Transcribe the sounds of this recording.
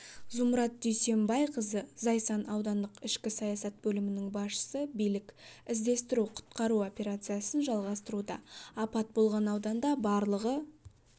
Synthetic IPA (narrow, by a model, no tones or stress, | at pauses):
zʊmɾɑt̪̚d̪ʏjse̞mbɑjqʰəzəzɑjsɑnɑwd̪ɑnd̪əqɪʃkʲɪsɑjɑsɑt̪̚bɵlɪmɪnɪŋbɑsʃə̥səbijlɪkʲɪzd̪e̞st̪ɪɾuqʰʊ̥t̪̚qɑɾuo̞pʲe̞ɾat̪sɨjasənʒɑlˠʁɑst̪əɾud̪ɑːpɑt̪̚bo̞lˠʁɑnɑwd̪ɑnd̪ɑbɑɾlˠəʁə